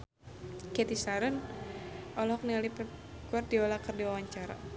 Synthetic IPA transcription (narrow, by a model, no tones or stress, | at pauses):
kɛt̪isaɾən | ʔɔlhɔk̚nialip | kuar̚diɔlakərdiwawaɲt͡ʃaɾa̰